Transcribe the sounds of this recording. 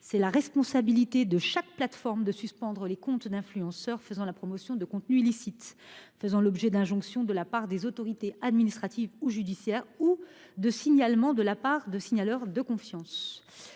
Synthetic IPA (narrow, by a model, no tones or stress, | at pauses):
sɛlaʁɛspɔ̃sabilit̪ed̪əʃak̚plat̪fɔʁmd̪əsyspɑ̃d̪ʁəlekɔ̃t̪d̪ɛ̃flyɑ̃sœʁfəzɑ̃lapχɔmɔsjɔ̃d̪əkɔ̃t̪nyilisit̪fəzɑ̃lɔbʒɛd̪ɛ̃ʒɔ̃ksjɔ̃d̪əlapaʁd̪ezot̪ɔʁit̪ead̪minist̪χat̪ivuʒyd̪isjɛːʁu | d̪əsiɲalmɑ̃d̪əlapaʁd̪əsiɲalœʁd̪əkɔ̃fjɑ̃s